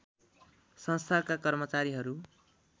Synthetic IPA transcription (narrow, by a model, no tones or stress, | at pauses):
sʌ̃nst̪ʰakakʌrmʌt͡saɾiɦʌɾu